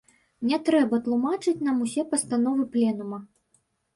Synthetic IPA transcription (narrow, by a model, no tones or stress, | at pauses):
nʲɛt̪ɾɛbɐt̪lˠumat͡ʂɨt͡sʲnamusʲɛpɐst̪anɔvɨplʲɛnumɐ